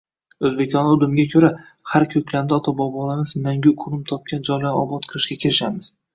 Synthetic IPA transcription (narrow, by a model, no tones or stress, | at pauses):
ɵzbekʲɒnɪʊd̪ʊmɪɡʲakʲʰɵɾa | haɾkʲʰɵkʲlamd̪ɪɒt̪ʰabɒbɒlˠamɪzmaŋɡʲʊkʰʊɾʊmt̪ʰɒp̚kʲand͡ʒɒjlanɒ̰bɒt̪qʰɨɾˠɪʃɡʲakʲʰɪɾɪʃamɪz̥